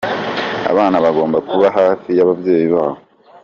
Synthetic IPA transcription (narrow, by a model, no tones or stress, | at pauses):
a̰βaːnaβaɡo̞ːmbakuβaɦaːfijaβavje̞ːjiβaːβo